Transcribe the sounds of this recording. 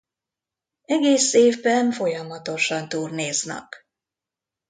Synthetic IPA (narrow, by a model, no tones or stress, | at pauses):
ɛɡeːseːvbɛɱfo̞jɒmɒt̪o̞ʃɒnt̪uːrneːznɛ̰k